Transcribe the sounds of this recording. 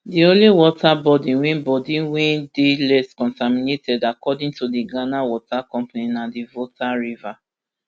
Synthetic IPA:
diõnliwɔtʰabɔdĩwĩnbɔdĩwɛ̃ndelɛskɔ̃ntaminetʰɛdakɔdĩŋtodiɡanawɔtakɔ̃mpaninadivotʰaɹiva

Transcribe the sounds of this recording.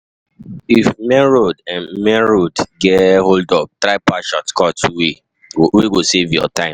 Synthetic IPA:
ifmɛɹodãnmɛɹodɡɛholdɔp̚t̪ɾaɪpaʃɔtkʰɔtwe | weɡosevjɔ̰tãɪ̃m

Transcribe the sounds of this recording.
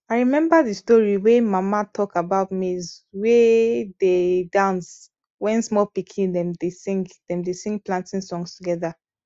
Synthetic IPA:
aɪɹimɛ̃mbaðistɔɹiwemamatʰɔkabaʊtmizwededãns | wɛ̃nsmɔlpikʰĩndɛ̃mdesĩŋɡdɛ̃mdesĩŋɡplãntĩnsɔ̃ŋstuɡɛða

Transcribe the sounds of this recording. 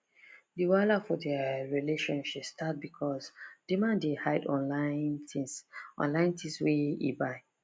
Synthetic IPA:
diwalafɔdɛɹileʃɔ̃nʃipstʰat̚bikʰɔsd̥imãndehaɪdɔ̃nlãn | ʔɔ̰̃nlãɪ̃ntĩswɛḭbaɪ

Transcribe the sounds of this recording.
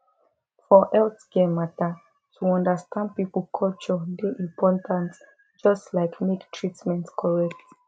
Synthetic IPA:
fɔʔɛltɡemata | tʰuɔ̃ndastʰãnd̚pipəl̩kʰɔlt͡ʃɔdɛʔĩmpʰɔtʰãnt | d͡ʒɔstlaɪkmektʰɹitmɛ̃ntkʰɔɹɛk̚t

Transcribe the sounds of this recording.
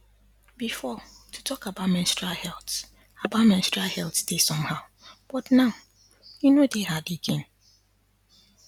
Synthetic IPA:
bifɔ | tʰutʰɔkabatmɛ̃nstɹahɛlt | abat̚mɛ̃nstɹahɛltd̥esɔ̃mhaʊ | b̥ɔtnãʊ | junodehadiɡɛ̃n

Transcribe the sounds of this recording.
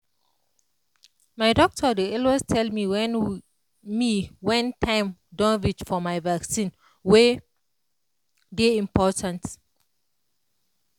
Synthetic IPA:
maɪdɔk̚tʰɔdeɔlwestʰɛlmiwɛn | miwɛ̃ntʰãɪ̃mdɔ̃nvit͡ʃfɔmaɪvaksĩn | we | deĩmpʰɔtʰãnt

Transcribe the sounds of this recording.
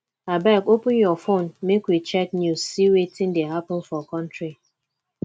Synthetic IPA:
abɛkopʊnjɔfonmekwit͡ʃɛtnjuzsiwetĩn̩deɦapʊn̩fɔkɔ̃ntɾi

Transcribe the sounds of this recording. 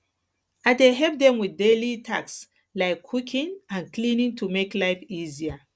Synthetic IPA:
aɪdeɦɛp̚dɛ̃mwiðdelitʰaks | laɪkʰːukʰĩŋãnklĩnĩŋtʰumeklaɪfiziə

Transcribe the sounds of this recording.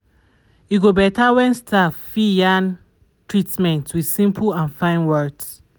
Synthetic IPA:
juɡobɛtawɛ̃nstʰaffijãn | tɹitmɛ̃ntwið̥sĩmpʰəlãnfãɪ̃nwɜds

